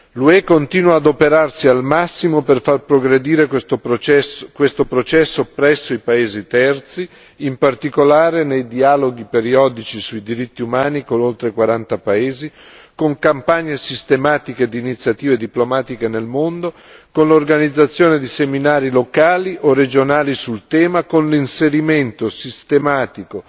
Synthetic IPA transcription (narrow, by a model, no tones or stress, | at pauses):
luɛkont̪iːnwaːd̪opeɾarsialmasːimoperfarpɾoɡɾed̪iːɾe | kwest̪opɾot͡ʃɛsːopɾɛsːoipaeːzit̪ɛrt̪si | impart̪ikolaːɾenejd̪ialoɡipeɾiɔːd̪it͡ʃisuid̪iɾit̪ːiumaːnikonolt̪ɾekwaɾant̪apaeːzi | koŋkampaɲːesist̪emaːt̪iked̪iːnit̪sːjat̪iːved̪iplomaːt̪ikenelmond̪o | konlorɡanid̪zːat̪sːjoːned̪iseminaːɾilokaːliʔorːed͡ʒonaːlisult̪ɛːmakonlinseɾiment̪osist̪emaːt̪iko